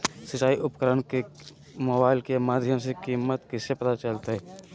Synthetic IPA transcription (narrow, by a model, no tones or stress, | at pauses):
sət͡ʃaːiʔʊpkəɾənke | moːbaːɪlkemaːd̪ʱjəmsekiːmːət̪kisepət̪at͡ʃəlt̪aɦɛː